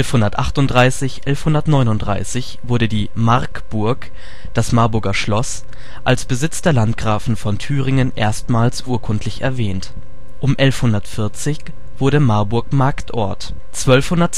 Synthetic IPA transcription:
ɛlfhʊndɐtʔaχtʊntd̥ʁaɪsɪçʔɛlfhʊndɐtnɔʏnʊntd̥ʁa̰ɪsɪçv̥ʊɐɾədiːmaɐkb̥ʊɐk | d̥asmaɐbʊɐɡɐʃlɔs | ʔalsb̥əzɪt͡sd̥eːɐlantɡ̥ʁaːfn̩fɔntʰyːʁɪŋənʔḛːɐstmaːlsʔuːɐkʰʊntʰlɪçɛ̰ɐvɛːnt | ʔʊmʔɛlfhʊndɐtfɪɐt͡sɪç | v̥ʊɐɾəmaɐbʊɐkmaɐktʔɔ̰ɐt | t͡sv̥œlfhʊndɐt

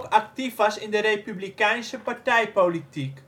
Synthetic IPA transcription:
kɐk̚tifʋɑsɪndəɾejpyblikɛjnsəpartɛjpolitik

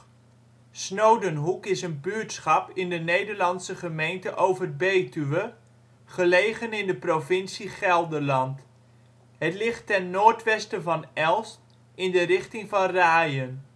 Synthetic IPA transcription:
snowdənɦukɪsənbyːɹtsχɑpɪndənejdəɹlɑnsəχəmejntəʔowvəbejtyʋə | χəlejχənɪndəprovɪnsiχɛlˠdəlɑnt | ɦətlɪχtːɛnːoːɹtʋɛstəvɑnɛlˠst | ɪndərɪχtɪŋvɑnraːjən

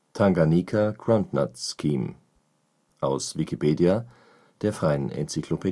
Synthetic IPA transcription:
tʰaŋɡaniːkʰaɡ̥ʁantna̰tskʰiːm | ʔaʊsv̥ikʰipʰeːdia | d̥eːɐfʁ̥aɪənɛ̰nt͡sikʰl̥opʰe

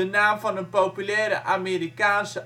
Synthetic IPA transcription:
ənaːmvɑnənpowpylɛːɾə̰ʔaːmeːɾikaːnsə

